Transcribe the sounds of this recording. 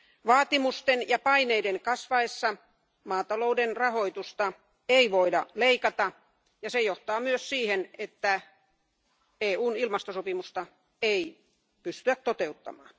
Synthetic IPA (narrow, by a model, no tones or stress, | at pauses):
ʋɑːt̪imust̪enjɑpɑineideŋkɑsʋɑesːɑ | mɑːt̪ɑloudenrɑhoit̪ust̪ɑ | eiʋoidɑleikɑt̪ɑ | jɑsejoht̪ɑːmyøssiːhenet̪ːæ | eːuːnilmɑst̪osopimust̪ɑ | ei | pyst̪yæt̪t̪ot̪eut̪ːɑ̰mɑ̰ːn